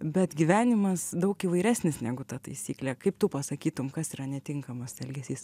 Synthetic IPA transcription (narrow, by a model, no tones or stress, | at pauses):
bʲɛt̪ɡʲiʋʲæːnʲɪmɐsd̪ɐʊkiːʋɐɪɾʲæːsʲnʲɪsnʲæːɡʊt̪ɐt̪ɐɪsʲiːklʲæːkɐɪpt̪upɐsɐkʲiːt̪ʊmkɐsiːɾɐnʲɛt̪ʲɪŋkɐmɐsɛlʲɡʲɛsʲiːs